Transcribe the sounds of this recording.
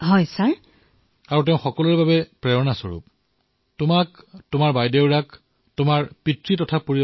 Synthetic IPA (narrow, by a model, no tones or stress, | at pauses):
ɦɔjsaɹ | aɹut̬eʊ̃xɔkɔluɹɛbabɛpɹɛɹɔnasɔ̰ɹṵp̚ | tʊmaktʊmaɹbajdeʊɹak | tʊmaɹpitɹitɔtʰapoɹi